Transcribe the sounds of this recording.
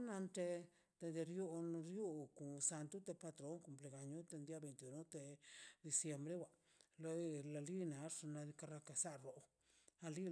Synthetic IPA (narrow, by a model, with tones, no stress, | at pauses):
na˧nt̪e˧ | d̪̥e˧d̪e˧ɾju˧n˧ɾju˦ku˨sa˧nt̪u˦t̪e˧pa˧t̪ɾo˨˦ŋku˧mple˧ɡa˨ɲu˦t̪e˧nd̪ja˧be˨jnt̪iu˨no˦t̪e˧d̪i˧sje˧mbɾe˦wa˨ | lo˧˨la˧li˦na˨˧ʂna˧d̪i˧ka˧ɾa˧ka˧sa˦ɾo˨ | a˧li˦